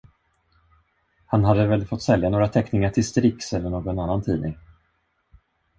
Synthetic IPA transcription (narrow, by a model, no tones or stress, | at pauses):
hanɦad̪ːəvɛlfɔt̪ːsɛljanoːɾat̪ʰɛknɪŋaʈʰɪlst̪ɾɪksɛlːəɳoːɡɔnanːant̪ʰḭːnɪŋ